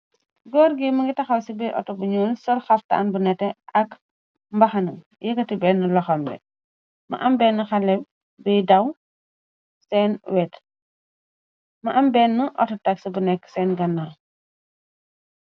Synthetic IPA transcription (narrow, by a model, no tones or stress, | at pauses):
ɡɔːɾɡimɐŋɡitɐxɐwsibɛjʔɔ̰tːɔbuɲɔːlsɔrxɐftɐ̰a̰nbunɛtːɛʔɐk | mbɐxɐnɐ̰ | jɛkɐtibɛːnːɐlɔxɐmbɛ̰ | mɐ̰ʔɐmbɛːnːɐxɐlɛ | bɛjdɐw | sɛːnwɛt | mɐʔɐmbɛnːɐʔɔ̰tɐtɐksibunɛkːsɛːnɡɐnːaː